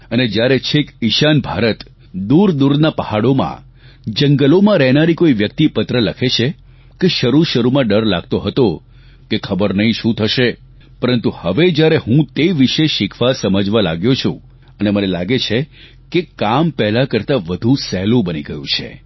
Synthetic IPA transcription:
əned͡ʒjaɾet͡ʃʰekiʃanbʱaɾət̪ | d̪uɾd̪uɾnapəhaɽomã̰ | d͡ʒəŋɡəlomãɾɛɦnaɾikoiʋjək̚t̪ipət̪ɾələkʰet͡ʃʰe | keʃəɾuʃəɾumãɖəɾla̰ɡ̚t̪oɦət̪o | kekʰəbəɾnəɦĩʃũt̪ʰəʃe | pəɾənt̪uhəʋed͡ʒjaɾeɦũt̪eʋiʃeʃɪkʰʋasəməd͡ʒʋalaɡjot͡ʃʰṵ̃ | ənemənelaɡet͡ʃʰe | kekampɛɦlakəɾt̪aʋəd̪ʱũsɛlũbəniɡəjṵ̃t͡ʃʰḛ

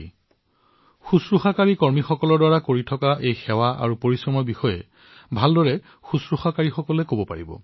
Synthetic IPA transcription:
xusɹuxakaɹikɔɹmixɔkɔlɔɹdwaɹakoɹitʰɔkaʔejxɛwaʔa̰ɹupoɹisɹɔmɔɹbixɔjɛ̰ | bʱaldɔɹɛ | xusɹuxakaɹixɔkɔlɛkobɔpa̰ɹibɔ̰

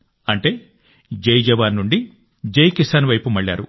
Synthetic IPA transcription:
ɐɳʈe̞ː | d͡ʒɐjd͡ʒɐʋaːnːuɳɖi | d͡ʒɐjkisaːnʋɐjpumɐɭːa̰ːɾu

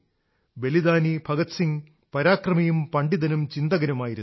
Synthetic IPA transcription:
be̞lid̪aːnibʱɐɡɐt̪siŋ | pɐɾaːkrɐmɐjumpɐɳɖiðɐnumt͡ɕind̪ɐɣɐɾɐmaːjiɾun

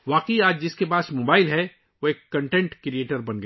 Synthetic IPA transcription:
ʋaːqiaːd͡ʒd͡ʒɪskepaːsmoːbaːɪlɦɛ | ʋoeːkːɐ̃ɳʈɛ̃ɳʈkɾieːʈəɾbɐ̃nɡ

